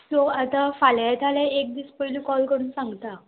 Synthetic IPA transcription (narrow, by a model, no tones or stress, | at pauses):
t̪oat̪afaljat̪ʰalaek̚d̪iːspəɦiliːkɔlkəɽuːnsãŋɡt̪a